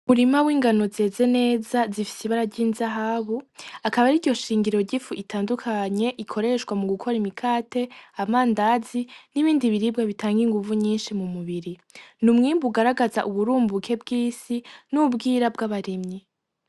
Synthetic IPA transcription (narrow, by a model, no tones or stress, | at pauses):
umuɾimawiːŋɡano̞ze̞ːze̞ne̞ːzazifi̥siβaɾaɾɟiːnzaɦaβuakaβaɾiɾɟo̞ʃiːŋɡiɾo̞ɾɟifuʔitʰaːndukʰaɲe̞ʔikʰo̞ɾe̞ʃwamuɡukʰo̞ɾimikʰaːte̞amaːndaziniβiːndiβiɾib̚ɡaβitʰaːŋɡiŋɡuvuɲiːnʃimumuβiɾinumŋiːmbuɡaɾaɡazaʔuβuɾuːmbukʰe̞bɡiːsinubɡiːɾabɡaβaɾimɲi